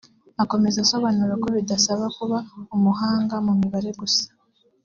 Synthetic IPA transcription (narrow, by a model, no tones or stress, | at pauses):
ako̞me̞zaso̞βanuɾeko̞βidasaβakuβaumuɦaːŋɡamumiβaɾe̞ɡusḁ